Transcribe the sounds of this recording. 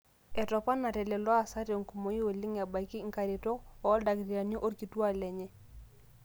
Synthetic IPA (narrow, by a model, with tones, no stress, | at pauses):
ɛ˨tɔ˨pa˦na˨tɛ˨lɛ˨lwa˨sa˦ɾjo˨ŋku˨mo˨i˦o˨li˦ŋa˨ba˨i˨ki˦ŋ˦ka˨ɾi˨tɔ˦ɔ˨˦da˨ɡɾa˨ɲo˦ʔo˦ɾki˨twa˦˨lɛ˨ɲɛ˦